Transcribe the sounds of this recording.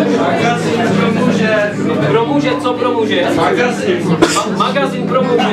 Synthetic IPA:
maɡazinpɾomuʒɛ | pɾomuːʒɛt͡sopɾomuʒɛaɡazinamaɡazinpɾomuːʒɛ

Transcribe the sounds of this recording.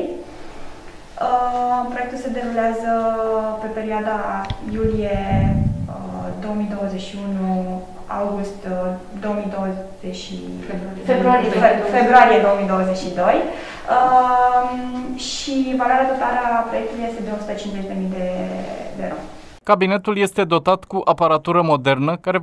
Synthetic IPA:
əpɾojek̚t̪ulse̞d̪e̞ɾuleazəpe̞pe̞ɾioad̪ajulije̞ | əd̪o̞omid̪o̞wəzeʃiunu | a̰wɡust̪ | d̪o̞omid̪o̞wəz̥eʃḭ | e | febɾuaife̞bɾuaɾijed̪o̞omid̪o̞wəzet͡ʃʃid̪o̞j | ə | ʃivalaɾeat̪ot̪aɾəapɾoje̞k̚t̪ulujest̪e̞d̪eo̞su̥t̪ət͡ʃinze̞ʒd̪e̞mijd̪ed̪eɾo̰m | kabine̞t̪ulje̞st̪e̞d̪o̞t̪at̪kuʔapaɾat̪uɾəmo̞d̪ernəkaɾe

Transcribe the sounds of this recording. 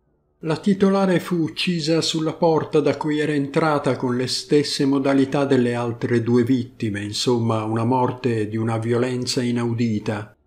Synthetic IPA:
lat̪it̪olaːɾefuːt͡ʃːiːzasulːapɔrt̪ad̪akːujɛːɾaent̪ɾaːt̪akonlest̪esːemod̪alit̪ad̪ːelːealt̪ɾed̪uːevit̪ːimeinsomːaunamɔrt̪ed̪iunavjolɛnt̪sainawd̪iːt̪a

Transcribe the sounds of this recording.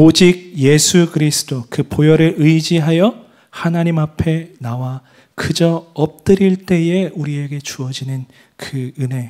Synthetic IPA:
od͡ʑiɡ̚je̞sʰukɯɾisʰɯ̥dokɯpojʌɾɯɾɯjd͡ʑiɦajʌ | hanaɲimapʰe̞nawa | kɯd͡ʑʌʌp̚t͈ɯɾiɭt͈e̞e̞uɾie̞ɡe̞t͡ɕuʌd͡ʑinɯn | kɯɯne̞

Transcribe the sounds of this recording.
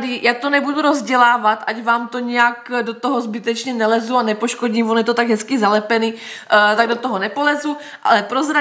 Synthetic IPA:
dɪjʔak̚t̪onɛbuduɾo̞zɟɛlaːvat̪ʔacvaːmt̪o̞ɲɛjakdo̞t̪oɦo̞zbɪt̪ɛt͡ʃɲɛnɛlɛzuanɛpoʃko̞ɟimvonjɛt̪ot̪aɡɦɛskɪzalɛpɛni | t̪aɡ̚dot̪oɦonɛpolɛzu | ʔa̰lɛpɾozɾa

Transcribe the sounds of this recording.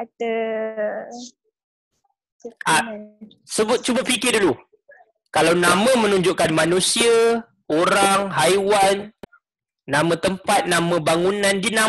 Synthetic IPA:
t̪ə | a | səbʊt̪̚t͡ʃubafikɪdulu | kalawnamə̃mə̃nũɲd͡ʒuʔkanmãnũsia | oɾaŋɦajwanː | ãmãt̪əmpat̪̚nãmãbaŋunãndinã

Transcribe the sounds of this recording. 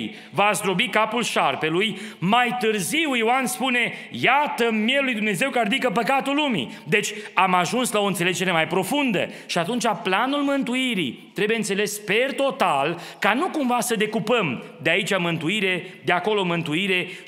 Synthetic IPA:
vasd̪ɾo̞bikapulʃarpe̞lujmajt̪ɨrziwiwanspune̞jat̪əmjelujd̪umne̞ze̞wkaɾd̪ikəpəkat̪ulːumḭd̪e̞t͡ʃʲamaʒunslao̞ɨnt̪sele̞d͡ʒe̞ɾe̞majpɾo̞fund̪ə̰ʃiat̪unt͡ʃʲaplanulmɨnt̪uiɾḭt̪ɾebujeɨnt̪sele̞spe̞rt̪o̞t̪alkanukumvasəd̪e̞kupəmd̪e̞ait͡ʃʲamɨnt̪uiɾe̞d̪eako̞lo̞mɨnt̪uiɾe̞

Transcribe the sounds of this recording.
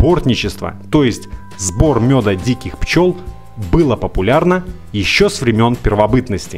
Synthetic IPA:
bo̞rt̪ʲnʲɪt͡ɕɪst̪və̰t̪o̞jɪsʲtʲ | zbo̞rmʲo̞d̪ədʲikʲɪxpt͡ɕo̞lˠ | bɨlˠəpəpʊlʲarnə | jɪɕːosvɾʲɪmʲo̞npʲɪrvɐbɨt̪nəsʲtʲɪ

